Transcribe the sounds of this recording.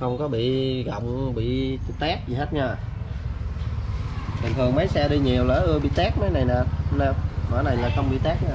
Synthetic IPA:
xə˧wŋ͡mkɔ˨˦ɓḭ˧˨ɣɔ̰˧˨wŋ͡mɓḭ˧˨t̪aː˦˥p̚zi˨˩ɦeː˦˥t̚ɲaː˧˩ | ɓ̪ä˨˩ŋt̪ʰɨ˨˩əŋmə˨˦jsaː˧ɗi˧ɲi˨˩əwlaː˧˩ʔɨ˧əɓḭ˧˨t̪aː˦˥k̚maː˨˦jna˨˩jnaː˨˩nə˧˩mə̰ː˧˩na˨˩jlaː˨˩xə˧wŋ͡mɓḭ˧˨t̪aː˦˥k̚naː˨˦

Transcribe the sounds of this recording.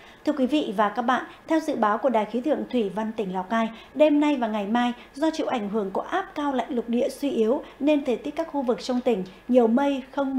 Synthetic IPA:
t̪ʰɨ˧əkwi˨˦vḭ˧˨vaː˨˩kaː˦˥k̚ɓa̰ː˧˨nt̪ʰɛ˧wzɨ̰˧˨ɓaː˨˦wku˧˩əɗaː˨˩jxi˨˦t̪ʰɨ̰˧˨əŋt̪ʰwi˧˩va˧nt̪ï˧˩ŋ̟laː˨˩wkaː˧j | ɗe˧mna˧jvaː˨˩ŋa˨˩jmaː˧j | zɔ˧t͡ɕḭ˧˨ʔa˧˩jŋ̟ɦɨ˧˩əŋko˧˩˦ʔaː˦˥p̚kaː˧wla̰ː˧˨ŋlʊ˨˩k͡p̚ɗḭ˧˨əswi˧ʔi˨˦əwne˧nt̪ʰe˨˩t̪i˦˥k̚ːaː˦˥k̚xu˧vɨ˨˩k̚t͡ɕɔ˧wŋ͡mt̪ï˧˩ŋ̟ɲi˨˩əwmə˧jxə˧wŋ͡m

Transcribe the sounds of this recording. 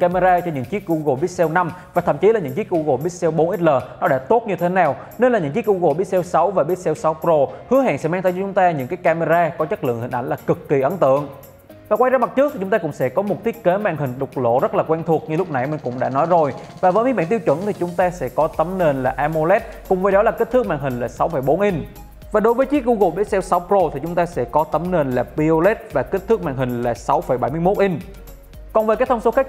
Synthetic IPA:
ka˧me˧zaː˧t͡ɕɔ˧ɲɨ̰˧˥ŋt͡ɕi˦˥t̚ɣu˧ɣo˨˩ɓi˦˥ət̚sɛ˧wna˧mvaː˨˩ə˧˨mt͡ɕi˨˦laː˨˩ɲɨ̰˧˥ŋt͡ɕi˦˥ət̚ʔu˧ɣo˨˩ɓi˦˥ət̚sɛ˧wɓo˨˦nʔi˦˥t̚ləː˨˩nɔ˨˦ɗa̰ː˧˥t̪o˦˥t̚ɲɨ˧t̪ʰe˨˦naː˨˩w | ne˧nlaː˨˩ɲɨ̰˧˥ŋt͡ɕi˦˥k̚ɣu˧ɣo˨˩ɓi˦˥ət̚sɛ˧wsa˨˦wvaː˨˩ɓi˦˥ət̚sɛ˧wsa˨˦wpɾo˧hɨ˨˦əɦa̰ː˧˨ŋsɛ̰˧˥maː˧t̪ʰə˧˩t͡ɕɔ˧t͡ɕʊ˨˦ŋ͡mt̪aː˧ɲɨ̰˧˥ŋkaː˨˦jkaː˧me˧zaː˧kɔ˨˦t͡ɕə˦˥t̚lɨ̰˧˨əŋhï˨˩ʔa˧˩jŋ̟laː˨˩kɨ˨˩kːi˨˩ʔə˨˦nt̪ɨ̰˧˨əŋ | vaː˨˩kwaː˧jzaː˧ma˨˩t̚t͡ɕɨ˦˥k̪̚i˨t͡ɕʊ˨˦ŋ͡mt̪aː˧kʊ̰˧˥ŋ͡msɛ̰˧˥kɔ˨˦mo˨˩t̪̚ʰi˦˥ət̚ke˨˦maː˧ŋɦï˨˩ŋ̟ɗʊ˨˩k͡p̚lo̰˧˨zə˦˥t̚laː˨˩kwa˧nt̪ʰək̚ɲɨ˧lʊ˥k͡p̚na˨˩jmï˨˩ŋ̟kʊ̰˧˥ŋ͡mɗa̰ː˧˥nɔ˨˦jzo˨˩jvaː˨˩vəː˨˦jmi˨˦ɓaː˧˨nt̪i˧wt͡ɕwə̰˧˩nt̪ʰi˨˩t͡ɕʊ˨˦ŋ͡mt̪aː˧sɛ̰˧˥kɔ˨˦t̪ə˨˦mne˧nlaː˨˩ʔaː˧mo˧lɛ˦˥t̚kʊ˨˩ŋ͡mvəː˨˩jɗɔ˨˦laː˨˩kə˦˥t̪ɨ˦˥k̚ma̰ː˧˨ŋɦï˨˩ŋ̟laː˨˩sa˨˦wfə˧˩jɓo˨˦nʔi˧n̟ | vaː˨˩ɗo˨˦jvəː˨˦jt͡ɕi˦˥k̚ʔu˧ɣo˨˩ɓe˨˦sɛ˧wsa˨˦wpɾo˧t̪ʰi˨˩t͡ɕʊ˨˦ŋ͡mt̪aː˧sɛ̰˧˥kɔ˨˦t̪ə˨˦mne˧nlaː˨˩pi˧o˧lɛ˦˥t̚vaː˨˩k̟̚t̪ʰːɨ˦˥k̚ma̰ː˧˨ŋɦï˨˩ŋ̟laː˨˩sa˨˦wfə˧˩jɓa˧˩jmɨ˧əjmo˦˥t̚ʔi˧ŋ̟ | kɔ˨˩nvəː˨˩kaː˨˦jt̪ʰə˧ŋ͡mso˨˦xa˦˥k̚

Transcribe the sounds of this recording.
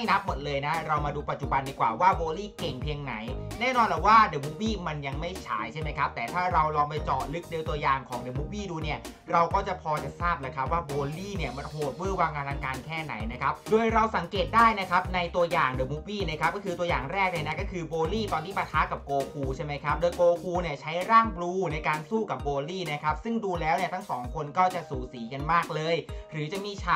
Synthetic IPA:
a˥˩jna˦˥p̚mo˨˩t̪̚lɤː˧jna˦˥ɾa˧wmaː˧duː˧pa˨˩t̪̚t͡ɕu˨˩ba˧ndiː˧˩kwa̰ː˨˩waː˥˩boː˧liː˥˩ke˨˩ŋpʰi˧əŋna˩˦jnɛː˥˩nɔː˧nlɛ˨˩waː˥˩deː˨˩˦mu˦˥p̚wiː˥˩ma˧nja˧ŋma˥˩jt͡ɕʰa̰ː˨˦˥jt͡ɕʰa˥˩jma˦˥jkʰa˦˥p̚t̪ɛː˨˩t̪ʰaː˥˩ɾa˧wlɔː˧ŋpa˧jt͡ɕɔː˨˩t̪̚lɯ˦˥k̚deː˧wt̪u˧ɐjaː˨˩ŋkʰɔː˩˦ŋdeː˨˧˦mu˦˥wiː˥˩duː˧ni˥˩ɐ | ɾa˧wkɔː˥˩t͡ɕa˨˩pʰɔː˧t͡ɕa˨˩saː˥˩p̚laː˧˩kʰa˦˥p̚waː˥˩boː˧liː˥˩ni˥˩ɐma˧nɦoː˨˩t̪̚mɯ˥˩ɐwaː˧ŋkaː˧lʰa˧˥ŋkaː˧nkʰɛː˥˩na̰˩˦jna˦˥kʰa˦˥p̚doː˧jɾa˧wsa˩˦ŋkeː˨˩t̪̚daː˥˩jna˦˥kʰa˦˥p̚na˧jt̪u˧ɐjaː˨˩ŋdoː˧˩mu˦˥wiː˥˩na˥˩kʰa˦˥p̚kɔː˥˩kʰɯː˧t̪u˧ɐjaː˨˩ŋɾɛː˥˩k̚na˧jna˦˥kɔː˥˩kʰɯː˧boː˧liː˥˩t̪ɔː˧nt̪ʰiː˥˩pa˧t̪ʰaː˦˥ka˨˩p̚koː˧kʰuː˧t͡ɕʰa˥˩jma˦˥jkʰa˦˥p̚doː˧jkoː˧kʰuː˧ni˥˩ɐt͡ɕʰa˦˥jɾaː˥˩ŋbluː˧na˧jkaː˧nsuː˥˩ka˨˩p̚boː˧liː˥˩na˦˥kʰa˦˥p̚sɯ˥˩ŋduː˧lɛː˦˥wni˥˩ɐt̪ʰa˥˩ŋsɔ̰ː˩˦ŋkʰo˧nkɔː˥˩t͡ɕa˨˩suː˨˩siː˩˦ka˧nmaː˥˩k̚lɤː˧jɾɯː˩˦t͡ɕa˨˩miː˧˥˩t͡ɕʰaː˧˩

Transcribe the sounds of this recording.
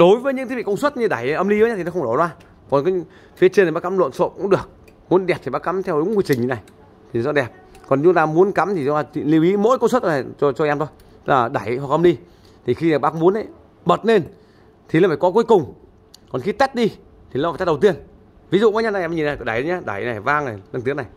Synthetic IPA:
ɗo˨˦jvəː˨˦jɲɨ̰˧˥ŋt̪ʰi˨˦vḭ˧˨kə˧ŋ͡mswə˦˥t̚ɲɨ˧˩ɗa˨˩jʔə˧mli˧əː˨˦ɲaː˧t̪ʰi˨ɔ˨˦xə˧ŋ͡mɗo˨˩zwaː˧ | kɔ˨˩nkaː˨˦ | fi˨˦t͡ɕə˧na˨˩ɓaː˧ka˨˦mlə̰˧˨nso̰˧˨kʊ̰˧˥ŋ͡mɗɨ˨˩ək̚ | mu˨˦ənɗɛ˨˩p̚t̪ʰi˨˩ɓaː˧˥ka˨˦mt̪ʰɛ˧wɗʊ˨˦˥ŋ͡mkwi˧t͡ɕï˨˩ŋ̟ɲi˨˦na˨˩j | t̪ʰi˨n˨˦zɔ̰˧˥ɗɛ˨˩p̚ | kɔ˨˩n˨t͡ɕʊ˨˦t̪aː˧mu˨˦ənka˨˦mt̪ʰi˨˩ɔ˧˦a˧˩t͡ɕḭ˧˨li˧wʔi˨˦mo̰˧˥jkə˧swə˦˥t̚a˨˩ɔ˧t͡ɕɔ˧ʔɛ˧mt̪ʰo˧j | laː˨˩ɗa˧˩jɦwa˨˩k̚ʔə˧mli˧ | t̪ʰi˨˩xi˧aː˨˩ɓaː˧kʊ˧˦ŋ͡mmu˨˦ənʔə˧˦j | ɓə˨˩t̚ne˧n | t̪ʰi˨aː˨˩faː˨˩kɔ˨˦ku˨˦jkʊ˨˩ŋ͡m | kɔ˨˩nxi˧t̪ə˦˥t̚ɗi˧ | t̪ʰi˨˩a˨fa˨˩a˧˩ɗwt̪i˧ən | vi˨˦zṵ˧˨ɓaː˨˦ɲa˧na˨˧˨ɲi˨˩na˨˩kɗa˨˩jɗə˨˦ɲa˧ɗa˨˩jna˨˩jvaː˧ŋna˨˩jlə˧ŋt̪i˨˦kna˨˩j

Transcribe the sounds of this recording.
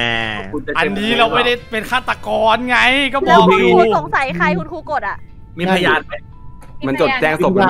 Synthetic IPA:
ʔɛː˧˩˧kʰu˧na˨˩ʔa˧nːiː˦˥la˧wma˥˩jda˥˩jpe˧nkʰaː˥˩t̪ːa˧kɔː˧nŋa˧˥jkɔː˥˩bɔː˨˧a˧u˧uː˧so˨˩˦ŋsa˨˩˦jxʰa˧jkʰu˧nkʰuː˧˩ko˨˩t̪̚ʔa˨˩ʔ | miː˧˥˩pʰa˧jaː˧na˧˩ | ma˧nt͡ɕo˨˩t̪̚t͡ɕɛː˧ŋso˨˩p̚ː

